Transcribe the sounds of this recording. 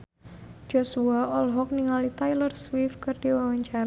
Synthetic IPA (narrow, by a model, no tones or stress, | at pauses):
d͡ʒ̥osuaʔɔlɦɔk̚niŋalit̪ajlərswifkɨrd̥iwawaɲt͡ʃaɾa